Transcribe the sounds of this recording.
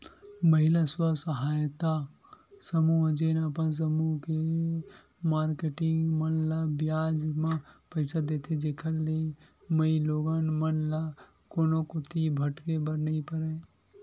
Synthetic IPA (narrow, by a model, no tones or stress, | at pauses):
məɦɪlaswasəɦaːjt̪a | səmud͡ʒenəpəns̬əmuke | maːɾkeʈɪ̃ŋɡmənlabjaːd͡ʒmãpəɪsad̪eːt̪ʰed͡ʒeːkʰəlːe | məiloːɡanmənla | koːnokot̪ibʱɐʈkebəɾnəĩpəɾẽ